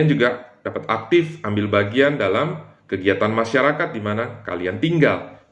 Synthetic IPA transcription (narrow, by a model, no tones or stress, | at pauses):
nd͡ʒuɡad̥apat̪ak̚t̪ɪfambɪlbaɡiandalamkəɡiat̪anmaʃaɾakat̪̚dimanaka̰liant̪iŋɡal